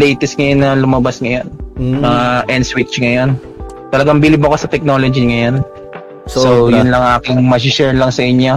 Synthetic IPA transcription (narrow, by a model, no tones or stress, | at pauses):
lɛjt̪ɛst̪̚ŋɐjonːɐlʊmɐbasŋɐjonaʔɛnswɪt͡ʃŋɐjon | t̪ɐlɐɡambilɪbɐkosɐt̪ɛk̚nolod͡ʒiŋɐjon | sojʊnlɐŋʔaːkɪŋmasɪʃɛɹlɐŋsɐʔɪɲo